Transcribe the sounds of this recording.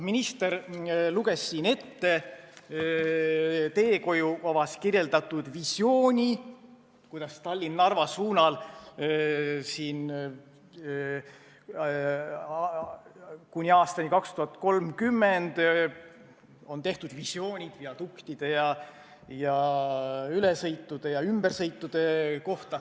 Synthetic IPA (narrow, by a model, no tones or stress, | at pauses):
minist̪e̞ɾluɡ̥e̞sːiːne̞t̪ːe̞ | t̪e̞ːko̞juvɑvɑskirje̞ld̪ɑt̪ːˑud̪̥visʲjo̞ːnʲi | kujd̪̥ɑst̪ɑlʲːinːɑrvɑsuːnɑl | siːn | kunʲiɑːst̪ɑnʲikɑkst̪uhɑt̪ːˑko̞lmkymːend̪̥ | o̞nt̪e̞ht̪ud̪̥visjo̞ːnʲid̪̥viɑt̪ukt̪id̪̥e̞jɑ | jɑ | ylesɤjt̪ːˑud̪̥e̞jɑymb̥ersɤjt̪ːˑud̪̥e̞ko̞ht̪ɑ